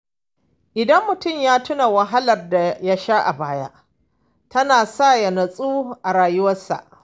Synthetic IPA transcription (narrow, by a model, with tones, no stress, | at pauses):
ʔɪ˨dɐ˦mːʊ˨tʊ˦˨mjaː˦tʊ˦na˨wɐ˨ɦa˦lɐ˨rda˨ja˦ʃa˦ʔa̰˨baː˦ja̰˦ʔ | tɐ˦naː˨sa˦˨jɐ˨nɐ˨sʼuː˦ʔa˨ɾaː˨jʊ˦wɐ˦sa̰˨ʔ